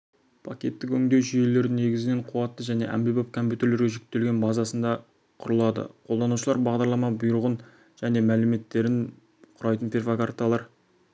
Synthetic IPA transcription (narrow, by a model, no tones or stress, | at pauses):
pʰakʲe̞t̪ːɪkɵŋd̪e̞ʒʏje̞le̞ɾɪne̞ɡʲɪzɪne̞ɴqʰuwɑt̪ːəʒæne̞̰ʔæ̰mbibop̚kʰo̞mpjut̪ʲe̞ɾle̞ɾɡʲeʒʏk̚t̪ːe̞lɡʲe̞nbɑzɑsənd̪ɑ | qʰʊɾəlˠɑd̪ə̰qʰo̞lˠd̪ɑnuʃəlˠɑɾbɑʁd̪ɑɾlˠɑmɑbʊjʊɾəʁən | ʒ̥æne̞mælɪme̞t̪ːe̞ɾɪn | qʰʊɾɑjt̪ənpʰʲe̞rvakart̪ɑlˠɑɾ